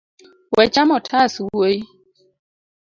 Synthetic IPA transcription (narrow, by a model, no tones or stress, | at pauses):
wɛt͡ʃamɔtʰasuoj